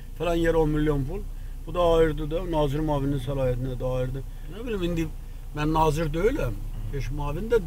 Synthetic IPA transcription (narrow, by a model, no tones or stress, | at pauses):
felænjeɾonmilːjo̞nful | b̥ud̪ɑːjɯɾd̪ɯd̪ɯnɑːziɾmɑːvininsælɑːjæt̪ʰinɛd̪ɑːjiɾd̪ɯ | nebilʲimind̪i | mænːɑːziɾd̪øjylæm | beʃmɑːvind̪æ